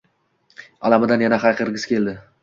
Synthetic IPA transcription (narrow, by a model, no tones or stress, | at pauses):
a̰lamɪd̪anjanaχajqɨɾɡʲɪskʰʲe̞ld̪ɪ